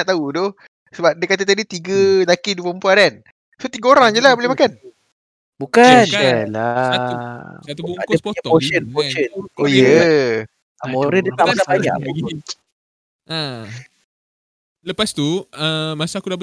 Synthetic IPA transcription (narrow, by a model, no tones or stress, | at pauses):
aʔt̪audo | səbap̚dəkat̪̬at̪adit̪iɡəlakiduəpəmpuaɾan | sot̪iɡəoɾaŋd͡ʒəlahbolehmakan | bukanala | t̪uakəpɔəoʃənpoʃənojə | amoɾədət̪aʔmakabaɲa̰ʔbai | a | ləpast̪uəmasaːkuda